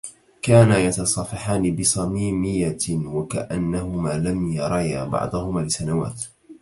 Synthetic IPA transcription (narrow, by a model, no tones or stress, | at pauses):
kaːnajɑt̪ɑsˤɑfɑħaːnɪbɪsˤɑmiːmɪjːawaka̰ʔanːahʊmaːlamjɑɾˤɑja̰bɑ̰ʕd̪ˤʊhʊmaːlɪsanawa̰ːt̪